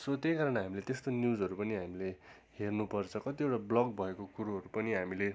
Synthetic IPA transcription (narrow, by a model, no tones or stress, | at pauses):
sot̪jejkaɾʌnɦamilet̪est̪onjud͡zʌɾupʌniɦamile | hernupʌrt͡sʰʌkʌt̪iewʈablʌɡ̚bʱʌekokuɾuɦʌɾupʌniɦamile